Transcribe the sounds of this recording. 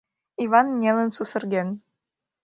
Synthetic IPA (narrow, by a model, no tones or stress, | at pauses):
ivɑnnʲelənsusə̆rɣen